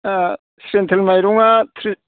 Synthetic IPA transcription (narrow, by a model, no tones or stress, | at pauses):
sɾent̪ʰelmajɾuŋat̪ʰɾi